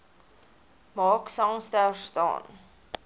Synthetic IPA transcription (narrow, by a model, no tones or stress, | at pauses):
mɑːksɑːmstærstɑ̰ːn